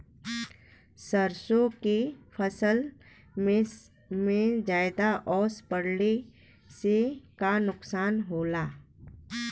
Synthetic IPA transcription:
səɾsõkepʰəsəl | me | mẽd͡ʒaːɪd̪aʔɔːspəɽne | sekanʊqsaːnɦoːlaː

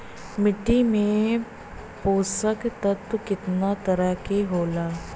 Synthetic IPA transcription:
mɪʈːimẽ | poːsəkt̪ət̪əkɪt̪nat̪ɐɾəɦkeɦoːlaː

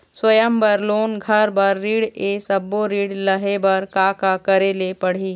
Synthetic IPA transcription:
swəjəmbəɾloːnɡʱɐɾbɐɾːiːɽesɐbːoɾiːɽləɦebɐɾkaːkakəɾeːlepɐɽ̤iː

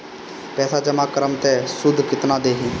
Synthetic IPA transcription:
pɛːsaːd͡ʒəmaːkəɾəmt̪ɛːsʊd̪ʱkɪt̪naːd̪eːɦĩː

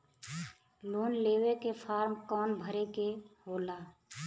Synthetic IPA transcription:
loːnleːwekepʰaːɾmkɔːnbʱəɾekeɦoːlaː

